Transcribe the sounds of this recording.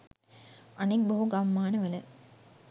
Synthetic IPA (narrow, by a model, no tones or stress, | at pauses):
ɐnik̚bɐɦuɡɐmːaːnɐʋɐlɐ